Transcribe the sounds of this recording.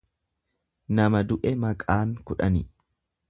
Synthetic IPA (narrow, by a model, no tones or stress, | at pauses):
nɐmɐd̪ʊʔɛmɐkʼaːŋkʊᶑɐnɪ